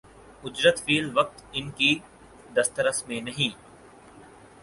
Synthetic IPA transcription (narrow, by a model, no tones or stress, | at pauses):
ʊd͡ʒɾət̪fiːlʋɐk̚t̪ɪnki | d̪ɐst̪əɾəsmẽnɐɦĩː